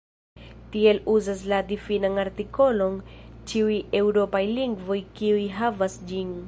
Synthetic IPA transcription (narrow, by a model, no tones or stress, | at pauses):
tie̞luzas̬ladifinanaɾtiko̞lo̞nt͡ʃiuje̞wɾo̞pajliŋɡvo̞jkiujɦavasd͡ʒin